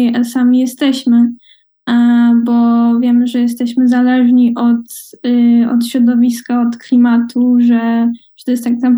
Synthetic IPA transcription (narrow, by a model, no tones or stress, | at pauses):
asamʲijɛst̪ɛɕmɘ | bɔvʲjɛmɘʐɛjɛst̪ɛɕmɘzalɛʐɲiʔɔt̪ | ɔ̰t̪ɕɾɔd̪ɔvʲiskaɔt̪klʲimat̪ʰuʐɛʐ̥t̪ɔjɛst̪ːaɡzam